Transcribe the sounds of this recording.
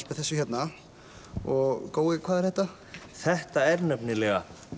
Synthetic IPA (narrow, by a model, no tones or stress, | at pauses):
spɪθɛsːʏçjɛt̪na | ɔɣkoːwɪkʰv̥aːðɛɾ̥hɛht̪a | θɛht̪aɛɾnœpnɪlɛɣa̰